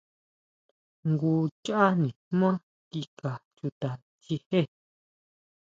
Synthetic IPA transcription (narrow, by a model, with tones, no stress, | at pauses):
ŋɡu˧t͡ʃa˦ʔa˦nĩ˨m˦ã˦ | ki˧ka˨t͡ʃu˧t̪a˨ | t͡ʃi˧he˦˨